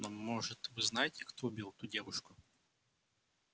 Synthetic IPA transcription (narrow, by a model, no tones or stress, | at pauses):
namːɔʐɨt̪ʋɨznajtʲjɐkt̪ɔʊbʲilˠt̪udʲɛʋʊʃkʊ